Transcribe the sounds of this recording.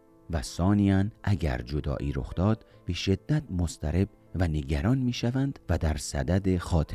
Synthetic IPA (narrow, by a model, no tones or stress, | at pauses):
væsɒːnijænʔæɟæ̰ɾd͡ʒod̪ɒ̰ːʔiːɾo̰xd̪ɒːd̪ | b̥e̞ʃe̞d̪ːæt̪̚ʰmost̪ʰæɾe̞b | væne̞ɡæɾɒːnmiːʃævænd̪̥væd̪æɾsæ̰d̪æd̪exɒːt̪ʰ